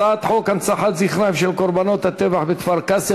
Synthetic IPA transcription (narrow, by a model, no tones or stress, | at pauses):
at̪ħo̞kant͡saħat̪ziχɾamʃelkoɾbano̞t̪hat̪evaħvekvaʁkase